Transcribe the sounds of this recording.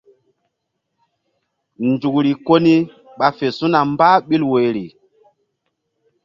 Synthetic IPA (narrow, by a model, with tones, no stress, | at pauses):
nd͡zu˨kɾi˨ko˦ni˦ | ɓa˨fe˨su˦na˨mba˦ɓi˦lwe˨ɾi˨